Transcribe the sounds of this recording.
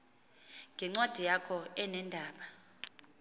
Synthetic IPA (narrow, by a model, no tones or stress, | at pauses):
ŋɡʱɛŋ͡ǀwad̥ʱijakʰɔɛnɛndʱaːɓa